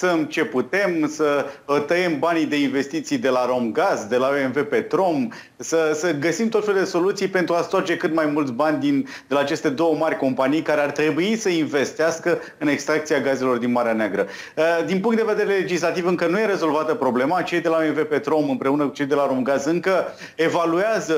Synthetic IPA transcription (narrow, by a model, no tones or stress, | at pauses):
səmt͡ʃe̞put̪e̞msət̪əjembanid̪e̞inve̞st̪it̪sijd̪e̞laɾo̞mɡazd̪e̞laoenve̞pe̞t̪ɾo̞m | səsəɡəsimt̪ot̪felud̪e̞so̞lut̪sijpe̞nt̪ɾuast̪at͡ʃe̞kɨt̪majmult̪sʲbanʲd̪in | d̪e̞laːt͡ʃe̞st̪e̞d̪o̞wəmarʲko̞mpanijkaɾe̞art̪ɾe̞buisəinve̞st̪easkə | ɨne̞kst̪ɾak̚t̪siaɡaze̞lo̞rd̪inmaɾeaneaɡɾə | d̪inp̬uŋkt̪d̪e̞ve̞d̪eɾe̞le̞d͡ʒislat̪ivɨŋkənuje̞ɾe̞zo̞lvat̪əpɾo̞ble̞mat͡ʃe̞jd̪e̞laoenvepe̞t̪ɾo̞mɨmpɾeunəkut͡ʃejd̪e̞laɾo̞mɡazɨŋkə | e̞valuazə